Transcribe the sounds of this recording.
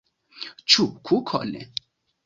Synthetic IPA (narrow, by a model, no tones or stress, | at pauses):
t͡ʃʰup̚kʰukʰɔ̰lɛ̰